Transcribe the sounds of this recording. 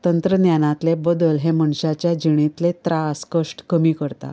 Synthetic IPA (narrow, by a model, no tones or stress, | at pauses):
t̪ənt̪ɾənjanãt̪lebəd̪əlɦeməɳɕat͡ɕjad͡ʑiɽ̃it̪let̪ɾaskəʂʈkəmiːkəɾt̪a̰